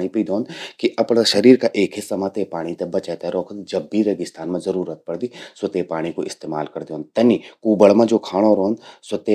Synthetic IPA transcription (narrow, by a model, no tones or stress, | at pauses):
ɽ̃ipiːd̪oːnd̪kiʔɐpɽ̃aʃɐɾiːɾkaʔeːkʰɦesɐmãt̪epaːɽ̃it̪ebɐt͡ʃɛt̪eɾɔːkʰəd̪d͡ʒɐbːiɾɐɡɪst̪ʰaːnmãzɐɾuːɾət̪̚pɐɽd̪isət̪epaːɽ̃ikoʔɪst̪eːma̰ːlkɐɾd̪oːnt̪ɐnikuːbəɭmãd͡ʒoːkʰaːɽ̃oɾoːnd̪sət̪e